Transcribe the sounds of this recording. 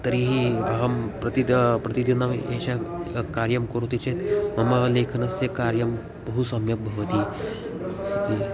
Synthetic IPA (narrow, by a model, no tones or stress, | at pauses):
t̪ɐɾiɦiɐɦɐmpɾɐt̪id̪pɾɐt̪id̪inaʋḛɕakaɾjɐmkoɾut̪it͡ɕet̪mɐmalekʰɐnɐsekaɾjɐm | pɐɦusɐmjɐk̚bʱɐʋɐt̪iː | ɐt͡si